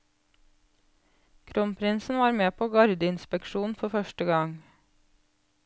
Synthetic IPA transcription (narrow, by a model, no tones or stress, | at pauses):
kʰɾɔmpʰɾɪnsn̩ʋɑːɾmeːpʰoːɡɑɾd̪əɪnspɛkʃuːn̩fɔfœʃʈəɡɑŋ